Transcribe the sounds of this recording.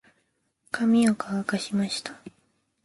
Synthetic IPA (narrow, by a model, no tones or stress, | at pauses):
kʰamʲiokʰaβakaɕimaɕi̥t̪ḁ